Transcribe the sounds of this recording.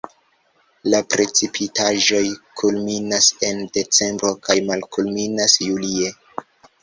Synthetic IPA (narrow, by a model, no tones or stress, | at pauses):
lapɾe̞t͡sipʰitaʒo̞jkʰulminase̞nde̞t͡se̞mbɾo̞kʰajmalkulminasjulie̞